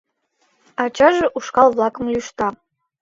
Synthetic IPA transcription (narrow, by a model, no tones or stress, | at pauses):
ɑt͡ɕɑʒɤ̆ʔuʃkɑlˠβlˠɑkə̆mlʲuʃt̪ɑ